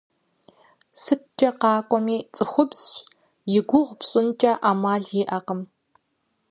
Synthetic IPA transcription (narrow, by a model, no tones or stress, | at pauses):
sɨt̚ʰd͡ʒʼɐqɑːkʷʼɔmiːt͡sʼɨxʷʊbs | jɪɡʷʊʁʷpɕʼɪnt͡ʃʼɐʔaːmaːɮeːʔɐqəm